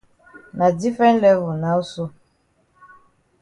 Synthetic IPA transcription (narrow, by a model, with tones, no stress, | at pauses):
na˨di˦fɹɛ̃˦nlɛ˦vɔ˨na˨˦u˦so˦